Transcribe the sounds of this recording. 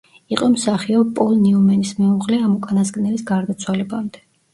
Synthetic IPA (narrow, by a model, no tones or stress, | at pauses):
iqʼɔmsaχiɔpʼɔlˠniumɛnismiuʁlɛamukʼanaskʼnɛlisɡaɾd̪at̪sʰwalɛbamd̪ɛ̥